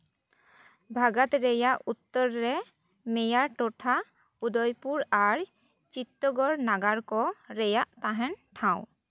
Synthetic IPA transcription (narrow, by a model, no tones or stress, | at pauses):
bʱaɡat̪ɾɛjaʔut̪ːɔɾːɛ | mɛjaɾʈɔʈʰa | ud̪ɔjpuɾaɾ | t͡ʃit̪ːɔɡɔɾnaɡaɾkɔɾɛjaʔt̪aɦɛnʈʰãw̃